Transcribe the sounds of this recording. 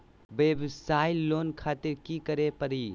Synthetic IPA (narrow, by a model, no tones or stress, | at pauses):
ʋebsaɪlːoːnkʰaːt̪iɾkikəɾepəɾi